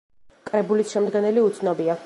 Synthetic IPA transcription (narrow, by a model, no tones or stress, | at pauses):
kʼɾɛbulisʃɛmd̪ɡɛnɛliut̪sʰnɔbia